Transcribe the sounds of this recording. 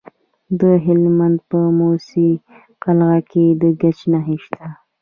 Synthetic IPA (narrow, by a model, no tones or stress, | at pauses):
d̪əɦɪlmand̪̚pəmosi | qalɣaked̪əɡat͡ʃnaɦeʃt̪ʰa